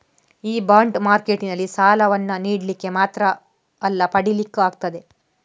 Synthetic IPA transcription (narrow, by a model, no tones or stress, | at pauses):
iːbaːɳɖmaːɾkeʈinɐlːisaːlɐʋɐnːɐniːɽlikːe̞maːt̪ɾɐː | lːɐpɐɽilikːuaːɡ̚t̪ɐd̪e̞